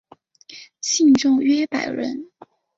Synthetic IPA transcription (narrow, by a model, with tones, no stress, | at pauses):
ɕi˥˧ŋʈ͡ʂʊ˥˩ŋɥɛ˥pa˨˩ɪɻə̰˧˥n